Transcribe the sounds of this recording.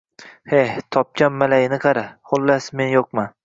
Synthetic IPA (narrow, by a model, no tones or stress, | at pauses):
heht̪ʰɒp̚kʲʰamːalajɪnɪqʰɑɾaχolːasmenjoq̚ma